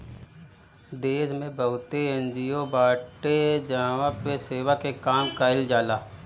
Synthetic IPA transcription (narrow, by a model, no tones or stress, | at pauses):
d̪eːsmẽbəɦʊt̪eẽnd͡ʒiːjobaːʈed͡ʒaːʋapeseːʋakekaːmkaːɦɪld͡ʒaːlaː